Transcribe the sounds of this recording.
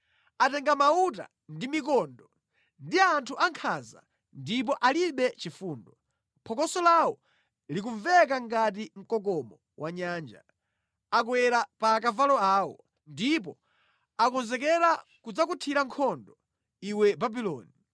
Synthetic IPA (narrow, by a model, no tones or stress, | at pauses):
atɛŋɡamauta̰ | ndimikɔndɔ | ndiantʰuʔaŋkʰaza̰ | ndip̬ɔʔaliɓɛt͡ʃifuːndɔ | pʰɔkɔsɔlawɔ | lik̬uɱvɛkaŋɡat̬im̩kɔk̬ɔmɔ | waɲaːnd͡ʒa | ak̬wɛɾapaːkavalɔaːwɔ | ndip̬ɔ | akɔnzɛkɛɾakud͡zak̬utʰiɾaŋkʰɔndɔ | iwɛbabilɔ̰ːni